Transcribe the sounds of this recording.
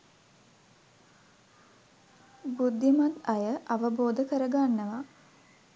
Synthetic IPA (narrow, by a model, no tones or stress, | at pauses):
bud̪ːimat̪ajəʔaʋəboːd̪əkəɾəɡanːəʋa